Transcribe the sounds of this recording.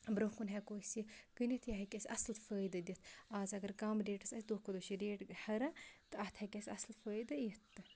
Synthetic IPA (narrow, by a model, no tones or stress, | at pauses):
bɾokunɦɐkoːsiɡ̥ɨnit̪ʰjaɦɐkʲesʲɐslfəːjd̪ɐd̪ʲit̪ʰaːzɐɡɐɾɡaːmɾeːʈɐsɐsʲd̪oːhkod̪oʃiɾeːʈhɐɾɐt̪ɨɐt̪ʰhɐkʲesʲɐslfəːjd̪ɐjit̪ːɨ